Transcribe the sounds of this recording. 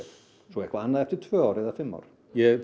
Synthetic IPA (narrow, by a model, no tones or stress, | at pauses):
sɔɛkʰvaanaðɛft̪ɪt̪ʰvøːɔɾɛðafɪmɔ̰ɾ | jɛ